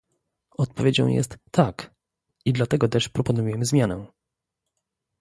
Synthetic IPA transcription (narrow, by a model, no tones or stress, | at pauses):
ɔt̪̚pɔvʲed͡ʑɔ̰̃w̃jɛ̰st̪ːak | id̪lat̪ɛɡɔt̪ɛʂpɾɔpɔnujɛmɘzmʲjanɛ